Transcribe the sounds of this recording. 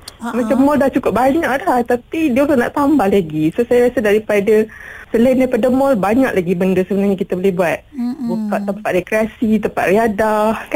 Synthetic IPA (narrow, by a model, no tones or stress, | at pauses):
mat͡ʃamːɔldaht͡ʃukʊp̚baɲaʔlaht̪apidialna̰ʔt̪ambahlaɡisosajaɾasədaɾipadasəlaindapadəmɔlbaɲaʔlaɡibəndəsəbənarɲakit̪abolɪhbuat̪̚bukaʔt̪əmpat̪̚rekɾiasit̪̬əmpa̰ʔ̪̚riadahka